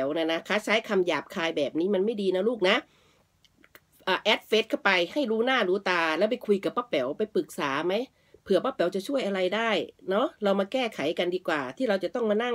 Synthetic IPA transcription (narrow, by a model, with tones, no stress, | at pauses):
ɛ˩˦wnaː˧˩na˦˥kʰaː˦˥t͡ɕʰaː˦˥jkʰa˧mjaː˨˩p̚kʰaː˧jbɛː˨˩p̚niː˦˥ma˧nma˥˩jdiː˧nɔ˦˥luː˥˩k̚na˦˥ | ʔəː˨˩ʔɛː˦˥t̪̚fe˦˥t̪̚kʰa˥˩wpa˧jha˥˩jɾuː˦˥naː˥˩ɾuː˦˥t̪aː˧lɛ˦˥wp̬a˧jkʰu˧jka˨˩pːaː˦˥˩pːɛ˩˦wpa˧jpɯ˨˩k̚saː˩˦ma˦˥j | pʰɯ˨˩˦ɐpaː˦˥˩pɛ˩˦wt͡ɕa˨˩t͡ɕʰu˥˩əjʔa˧ɾa˧jdaː˥˩jnɔ˦˥ɾa˧wmaː˧kɛː˥˩kʰa˨˩˦jka˧ndiː˧kwaː˨˩t̪ʰiː˥˩ɾa˧wt͡ɕa˨˩t̪ɔ˥˩ŋmaː˧na˥˩ŋ